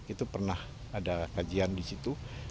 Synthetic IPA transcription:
it̪upərnah | adakad͡ʒiandisit̪u

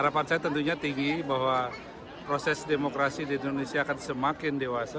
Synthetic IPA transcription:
aɾapansajat̪ənt̪uɲat̪iŋɡibaɦwa | pɾosɛsdemokɾasidiːndonesiaːkansəmakɪndewasa

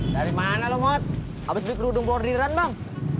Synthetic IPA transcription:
daɾimanalɔmɔt̪̚ | abasbikɾudʊŋpɔriɾanbaŋ

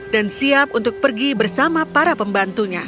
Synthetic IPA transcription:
dansiapunt̪ʊk̚pərɡibərsamapaɾapəmbant̪uɲa

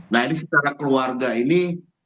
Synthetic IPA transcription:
nainis̬it̪aɾakluwaɾɡaini

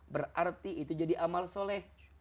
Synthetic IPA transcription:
bərart̪iʔit̪ud͡ʒadiʔamalsolɛh

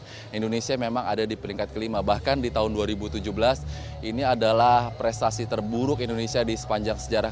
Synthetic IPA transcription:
indonesiamemaŋadadipəɾiŋkat̪̚kəlimabahkandit̪aɦʊnduaɾibut̪ud͡ʒuhbəlas | iniadalahpɾest̪asit̪ərbuɾʊkindonesiadisə̥paɲd͡ʒaŋsəd͡ʒaɾa

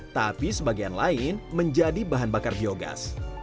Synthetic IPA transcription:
t̪apisəbaɡianlaɪnməɲd͡ʒadibaɦanbakarbioɡa̰s

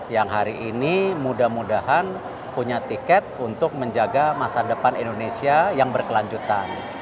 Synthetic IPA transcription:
jaŋɦaɾiʔinimudahmudahan | puɲat̪ikɛt̪̚unt̪ʊk̚məɲd͡ʒaɡamasadəpanindonesiajaŋbərkəlaɲd͡ʒut̪an

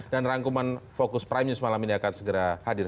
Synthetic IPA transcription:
danraŋkumanfokʊspɾajmɲusmalaminakat̪səɡəɾahadɪr

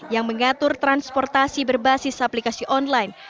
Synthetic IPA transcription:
jaŋməŋat̪ʊrt̪ɾanspɔrt̪asibərbasɪsaplikasiʔɔnlajn

